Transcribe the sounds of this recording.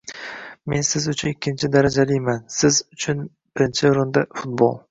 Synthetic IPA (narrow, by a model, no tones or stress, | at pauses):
me̞nsɪzʊt͡ʃʰʊnɪkʲʰːɪnt͡ʃʰɪd̪aɾad͡ʒalɪjmansɪzʊt͡ʃʰʊn | b̥ɪɾɪnt͡ʃʰɪɾʊnd̪afʊt̪̚bo̰lˠ